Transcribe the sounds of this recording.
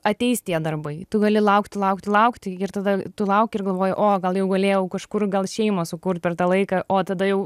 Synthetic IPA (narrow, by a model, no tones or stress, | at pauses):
ɐt̪ʲɛɪsʲt̪ʲiɛd̪ɐrbɐɪt̪ʊɡɐlʲɪlˠɐʊkt̪ʲɪlˠɐʊkt̪ʲlˠɐʊkt̪ʲɪɪrt̪ɐd̪ɐt̪ʊlˠɐʊkʲɪrɡɐlˠʋoːjʊʔoːɡɐlˠjɛʊɡɐlʲeːjɛʊkɐʃkʊrɡɐlˠʃʲɛɪmosʊkuɾt̪̚ʲpʲɛrt̪ɑːlˠɐɪkɐʔoːt̪ɐd̪ɐjɛʊ